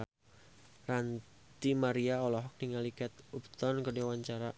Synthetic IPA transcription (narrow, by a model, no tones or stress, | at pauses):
ran | t̪imaɾiaɔlɔɦɔk̚niŋalikɛt̪upt̪ɔnkədewaɲt͡ʃaɾa